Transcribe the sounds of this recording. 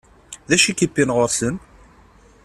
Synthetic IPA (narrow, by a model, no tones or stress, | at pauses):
ðæʃikəpːinʁʊɾsən